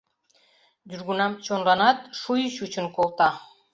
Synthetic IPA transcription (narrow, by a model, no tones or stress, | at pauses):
d͡ʒuɾɡunɑmt͡ʃʰonlˠɑnɑt̪ʃujuʃut͡ʃunkolˠt̪ɑ